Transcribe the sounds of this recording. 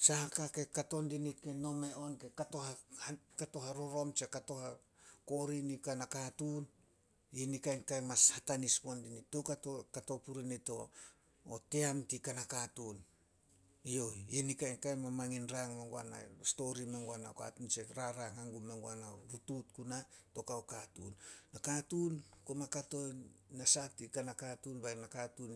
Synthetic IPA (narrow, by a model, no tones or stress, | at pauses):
sahakake̞kato̞ndinike̞no̞me̞ʔo̞nke̞katohakato̞ɦaɾo̞ɾo̞mt͡ʃe̞kato̞ha | ko̞ɾinikanakatun | inikajnkajmashatanispondinitowkatokato̞puɾinito̞ː | teamtikanakatun | io̞jinikajnkajmamaŋinɾaŋmeŋɡua̰na̰sto̞ɾimeŋɡuana̰ka̰tunt͡ʃeɾaɾaŋaŋɡumeŋɡuanaɾututkunatokaokatṵnːakatunkomakato̞jnasatikanakatunbanakatun